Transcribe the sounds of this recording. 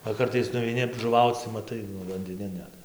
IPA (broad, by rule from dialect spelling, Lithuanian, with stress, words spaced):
ʋɐ ˈkɐrtɐɪs nʊʋʲɛɪˈnʲɪ ʒʊˈʋɐʊt͡s tɐɪ mɐˈtɐɪ nʊ ʋɐnʲdʲɪˈnʲɪn ˈnʲɛt